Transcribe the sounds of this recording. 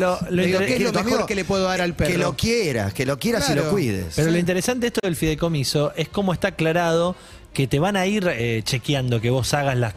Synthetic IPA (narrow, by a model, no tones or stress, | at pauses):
loloielomeɾokelepweðoðaɾalpeklokjeɾa̰skelokjeɾasilokwiðḛspeɾoloint̪̬eɾesant̪eeht̪oðelfiðeko̞misoesko̞moest̪aːklaɾað̞o̞ | ket̪eβanaiɾet͡ʃe̞kjand̪oke̞βo̞saɣaslas